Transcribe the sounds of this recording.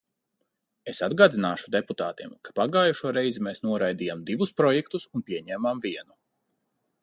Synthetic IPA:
esad̪ɡaːd̪inaːʃu̥d̪eput̪a̰ːt̪iɛmkḁpaɡaːjuʃuɔɾɛjzimeːsnuɔɾajd̪iːjamd̪ivuspɾɔjɛkt̪usunpʲiɛɲɛːmamviɛnu

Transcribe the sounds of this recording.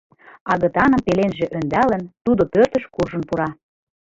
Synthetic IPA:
ɑɣɤ̆t̪ɑnə̆mpelenʒĕʔønd̪ælə̆nt̪ud̪opørt̪ə̆ʃkuʒə̆npuɾɑ

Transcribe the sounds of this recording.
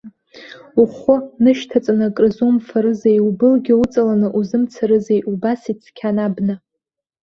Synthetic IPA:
uχʊnɨʃtʰat͡sʼanakʼrɨzumfaɾɨzejubɨlɡʲiut͡sʼalanɨʔuzɨmt͡sʰaɾɨzejʔubasit͡sʰkʲʰanabnɨ

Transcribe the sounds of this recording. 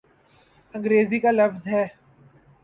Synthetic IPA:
ɐ̃ŋɡɾeːzikalɐfzɦɛː

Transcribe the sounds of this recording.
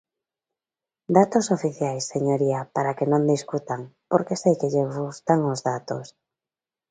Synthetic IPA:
d̪at̪osofiθjajsːeɲoɾiapaɾakenõnd̪iskut̪aŋpoɾkesejkeʎeβust̪aŋozðat̪os

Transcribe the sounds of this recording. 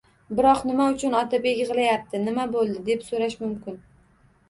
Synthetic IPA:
bɪɾɒqnɪmaʊt͡ʃʰʊnɒt̪ʰɪpʲekʲɨʁɨlˠajap̚t̪ʰɪnɪmabolˠd̪ɪd̪e̞psoɾaʃmʊmkʲɪn

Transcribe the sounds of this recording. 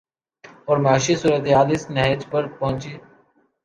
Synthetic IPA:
ɔːɾmaːʃiːsuːɾət̪eɦaːlɪsnəɦd͡ʒpəɾpɔ̃ɦʊ̃nt͡ʃeː

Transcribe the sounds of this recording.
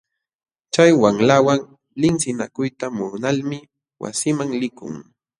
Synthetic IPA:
t͡ʃajwaŋlawaŋ | lɪŋsɪnakʊjt̪amʊnalmɪ | wa̰sɪmaŋlɪkʊ̰ŋ

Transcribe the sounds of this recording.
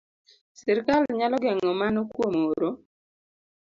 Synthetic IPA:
sɪɾkalɲalɔɡɛŋɔmanɔkwomoɾo

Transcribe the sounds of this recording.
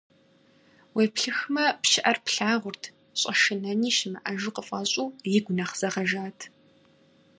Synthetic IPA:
wepɬɨxmɐpʃɪʔɐrpɬaːʁʷʊrtʰ | ɕʼɐʃɨnɐniːʃɪmɨʔɐʒɪqəfʼɐɕʼuːjɪɡʷʊnɐχz̥ɐʁɐʒaːtʰ

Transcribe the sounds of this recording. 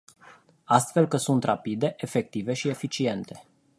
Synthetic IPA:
ast̪fe̞lkəsunt̪rapid̪e̞ʔefe̞k̚t̪ive̞ʃie̞fit͡ʃie̞nt̪e̞

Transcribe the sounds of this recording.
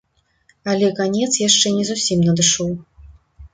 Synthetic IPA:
ɐlʲɛkanʲɛt̪sjaʂt͡ʂɛnʲɛzusʲimnɐd̪ɨʂɔw

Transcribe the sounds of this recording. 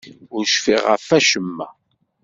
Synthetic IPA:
ʊɾʃfḭʁə̰fæʃəmːæ̰

